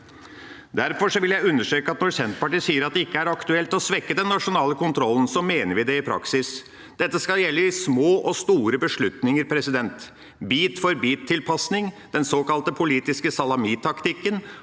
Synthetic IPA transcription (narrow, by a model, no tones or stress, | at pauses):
d̪æɾfɔʂɔʋɪljæɪʉnːəʂʈøːkəɑt̪nɔɾsɛnt̪pɑʈiːsiːəɾɑt̪̚d̪ɛɪkːəæɾɑkt̪ʉɛlt̪ɔsʋɛkːəd̪ɛnːɑʂʊnɑːləkʊnt̪ʰɾɔlːn̩sɔmeːnəɾʋɪd̪ɛɪpʰɾɑ̰ksɪs | d̪̥ɛt̪ːəskɑljɛlːəɪsmoːʔɔst̪uːɾəbəʂɭʉt̪nɪŋəɾpʰɾɛsɪd̪ɛnt̪ | biːt̪fɔɾbiːt̪ʰːɪlpʰɑsnɪŋ | d̪̥ɛnsoːkɑlt̪əpʰʊliːt̪ɪskəsɑlɑmiːt̪ʰɑkt̪ɪkːən